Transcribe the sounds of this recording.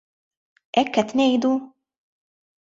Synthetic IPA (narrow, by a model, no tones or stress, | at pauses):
ʔɛkːɛt̪nɛjd̪uː